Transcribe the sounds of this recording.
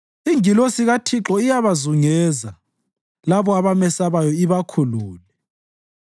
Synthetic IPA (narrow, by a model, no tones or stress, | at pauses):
iŋilosiɣatʰiǁɔijaβazuŋɛːza | laβɔaβamɛsaβajɔiβakʰuluːlɛ